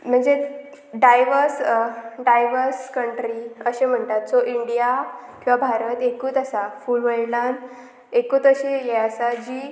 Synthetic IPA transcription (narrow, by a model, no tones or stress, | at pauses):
m̤əɳd͡ze | ɖajʋəɾsɖajʋəɾskəɳʈɾiəɕem̤əɳt̪at̪̚t͡soʔiɳɖijakĩwʋabʱaɾət̪ekuːt̪əsafuːlʋəɭlan | ekuːt̪əɕejɛasad͡ʑiː